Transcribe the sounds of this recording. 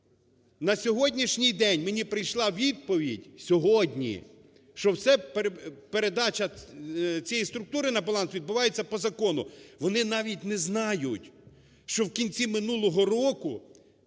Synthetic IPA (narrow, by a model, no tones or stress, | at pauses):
nɐsʲɔɦɔdʲnʲiʃnʲijd̪ɛnʲmenʲipɾɪjʃlˠɑʋʲid̪̚pɔʋʲidʲsʲɔɦɔdʲnʲḭ | ʃt͡ʃɔwsɛppeɾed̪ɑt͡ʃɐ | t͡sʲɛjist̪ɾʊk̚t̪uɾɪnɐbɐlˠɑnsʋʲid̪̚bʊʋɑjet͡sʲːɐpɔzɐkɔnʊʋɔnɪnɑʋʲitʲnɛznɑjʊtʲ | ʃt͡ʃɔwkʲinʲt͡sʲimɪnulˠɔɦɔɾɔkʊ